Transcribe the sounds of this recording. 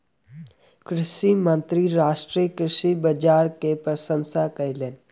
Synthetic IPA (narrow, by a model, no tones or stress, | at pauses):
kɾɪʃimə̃nt̪ɾiɾaːʃʈɾijəkɾɪʃibəd͡ʒaːɾkepɾəsə̃nsakɐileːn